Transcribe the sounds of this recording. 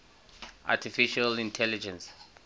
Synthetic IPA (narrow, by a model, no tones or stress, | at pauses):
ʔa̰tʰifiʃalĩntʰɛlid͡ʒɛ̃ns